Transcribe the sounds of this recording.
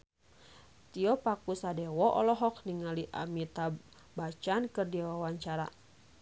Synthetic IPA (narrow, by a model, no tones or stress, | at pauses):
t̪iɔpakusadɛwɔʔɔ̰lɔɦɔk̚niŋaliʔa̰mit̪a | bat͡ʃankɨrdiwawaɲt͡ʃaɾa̰